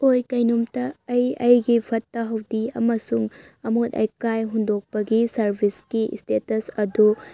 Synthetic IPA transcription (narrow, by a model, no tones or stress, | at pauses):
ojkɐjnumtɐːjɐjɡipʰɐtːɐɦɐwdiɐmɐsuŋ | ɐmotɐ̰jkajɦundok̚pɐɡisɐɾbʱiskḭstetɐsɐdu